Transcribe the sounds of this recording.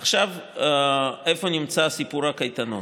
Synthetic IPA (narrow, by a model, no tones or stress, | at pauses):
aχʃav | efo̞nimt͡sasipuɾhakajt̪ano̰